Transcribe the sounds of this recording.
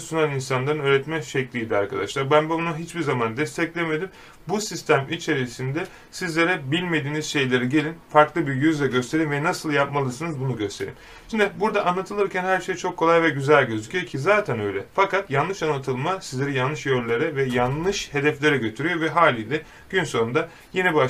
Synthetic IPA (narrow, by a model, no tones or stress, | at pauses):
sunaninsanlˠaɾɯnø̞ːɾɛt̪mɛʃɛclʲiːd̪ia̰ɾkʰad̪a̰ʃlˠaɾbænbuunuɦit͡ʃbiɾzamand̪ɛst̪ʰɛclʲeme̞d̪im | busist̪ʰæmit͡ʃʰe̞ɾisind̪ɛ | sizlʲe̞ɾɛbilʲme̞d̪iːnizʃe̞jlʲe̞ɾɛɟe̞lʲinfaɾklˠɯbiɾjyzlʲɛɟøst̪ʰe̞ɾiːnvɛnasɯlˠjapmalˠɯsɯnɯzbunuɟø̞st̪ʰe̞̰ɾḭm | ʃimd̪ibuɾd̪aʔanːˠat̪ʰɯlˠɯɾcʰænhæɾʃe̞jt͡ʃʰo̞kʰːolˠajvɛɟyzælʲɟø̞zycʰyjocʰizaːt̪ʰænø̞jlʲɛfakat̪janˠɯʃanːˠat̪ʰɯlˠmasizlʲe̞ɾɛjanːɯʃjølʲːeɾɛvɛjanlˠɯʃhe̞d̪ɛflʲe̞ɾɛɟøt̪ʰyɾyjovɛɦaːlʲiːlʲɛ | ɟ̥ynso̞und̪a | jenɛba